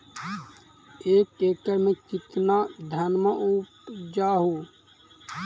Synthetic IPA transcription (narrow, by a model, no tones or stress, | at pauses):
eːkeːkəɾmẽkɪt̪nad̪ʱənməʔupd͡ʒaːɦoː